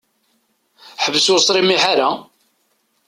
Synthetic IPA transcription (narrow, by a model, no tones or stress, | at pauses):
ħəvəsʊsˤɾimiħaɾa